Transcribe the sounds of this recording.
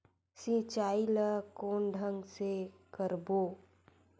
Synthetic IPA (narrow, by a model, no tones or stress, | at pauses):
sit͡ʃaːiləkoːnɖʱəŋɡsekəɾboː